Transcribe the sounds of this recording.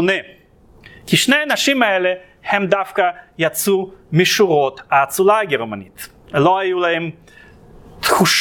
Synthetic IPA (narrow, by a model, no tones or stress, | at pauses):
ne | kiʃnejanaʃimaele | hɛmd̪afkajat͡sumiʃuʁot̪aːt͡sulaɡeʁmanit̪ | loajulahɛm | t̪xuʃ